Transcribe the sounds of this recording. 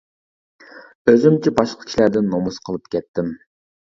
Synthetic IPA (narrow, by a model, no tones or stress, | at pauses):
øzymt͡ʃʰibɑʃqʰə̥kʰʲi̥ʃlæɾd̪ɪnːomusqʰəlˠɨp̚kʲɛt̪ːɪm